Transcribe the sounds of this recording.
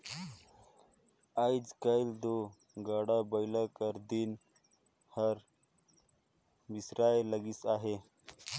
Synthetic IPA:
aːid͡ʒkaild̪o | ɡaːɽabɐjlakəɾd̪in | hɐɾ | misɾaːjeləɡisaːɦe

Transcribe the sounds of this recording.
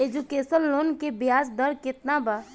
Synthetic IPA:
eːd͡ʒukeːsənloːnkebjaːsd̪əɾkɪt̪naba

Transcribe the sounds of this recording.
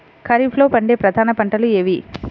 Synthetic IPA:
kʰɐɾipʰlo̞ːpɐɳɖeːpɾɐd̪ʱaːnɐpɐɳʈɐlueːʋi

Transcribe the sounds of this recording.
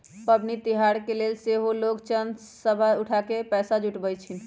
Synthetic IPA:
pəbnit̪iɦaɾkelelseɦolokt͡ʃən | səbʱauʈʰakepɛsad͡ʒuʈbəjt͡ʃʰin

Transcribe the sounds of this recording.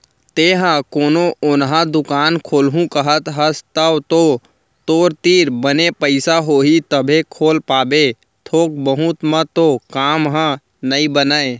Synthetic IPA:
t̪eːɦə̃koːnoʔʊnɦãd̪ʊkaːnkʰoːlɦũkəɦət̪ɦəst̪əʋt̪o | t̪oːɾt̪iːɾbənepəɪsaɦoːɦit̪əbʱekʰoːlpaːbe | t̪ʰoːk̚bəɦʊt̪mə̃t̪okaːmɦə̃ | nəibənəe

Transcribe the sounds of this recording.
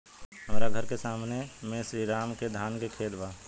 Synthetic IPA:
ɦəmɾaɡʱəɾkesaːmnemẽsɾiɾaːmked̪ʱaːnkekʰeːd̪baː

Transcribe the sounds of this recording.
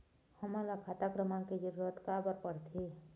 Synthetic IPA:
həmalakʰat̪akɾəmãked͡ʒəɾuɾət̪kabəɾpəɽt̪ʰe

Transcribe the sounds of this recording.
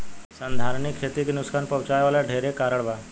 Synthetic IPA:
sand̪ʱaɾɳikʰet̪iːknuskanpəwt͡ɕajʋaljaɖʱeɾekaɾəɽʋa

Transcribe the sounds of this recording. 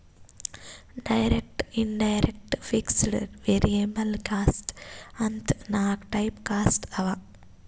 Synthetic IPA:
ɖɐjɾek̚ʈinɖɐjɾek̚ʈfiksɽɐ̰ɾʋeɾiemɐlkaːsʈɐnt̪ʰnaːkʈɐjpkaːsʈɐʋa

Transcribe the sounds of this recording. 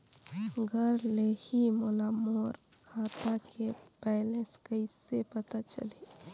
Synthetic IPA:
ɡʱəɾlehimolamoːɾ | kʰaːt̪akepɛlẽskəisepət̪at͡ʃə̰li

